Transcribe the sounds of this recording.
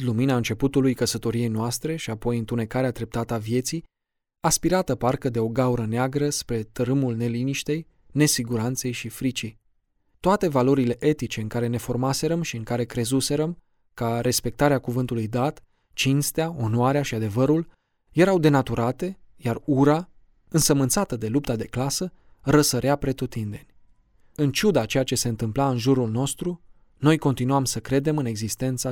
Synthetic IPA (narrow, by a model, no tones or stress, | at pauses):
luminaɨnt͡ʃe̞put̪ulujkəsət̪o̞ɾije̞jnoast̪ɾe̞ʃiapo̞jɨnt̪une̞kaɾead̪ɾe̞p̚t̪at̪əavje̞t̪sij | aspiɾat̪əparkəd̪e̞o̞ɡauɾəneaɡɾəspɾe̞t̪əɾɨmulne̞liniʃt̪e̞j | ne̞siɡuɾant̪se̞jʃifɾit͡ʃij | t̪oat̪e̞valo̞ɾile̞ʔe̞t̪it͡ʃe̞ɨŋkaɾe̞ne̞fo̞rmase̞ɾəmʃiɨŋkaɾe̞kɾe̞zuse̞ɾəm | kaɾe̞spe̞k̚t̪aɾeakuvɨnt̪ulujd̪at̪ | t͡ʃinst̪eao̞noaɾeaʃiad̪e̞vəɾul | je̞ɾawd̪e̞nat̪uɾat̪e̞jaruɾa | ɨnsəmɨnt̪sat̪əd̪e̞lup̚t̪ad̪e̞klasə | ɾəsəɾeapɾe̞t̪ut̪ind̪e̞nʲ | ɨnt͡ʃud̪at͡ʃe̞jat͡ʃe̞se̞ɨnt̪ɨmplaɨnʒuɾulno̞st̪ɾu | no̞jko̞nt̪inuamsəkɾe̞d̪e̞mɨne̞ɡzist̪e̞nt̪sa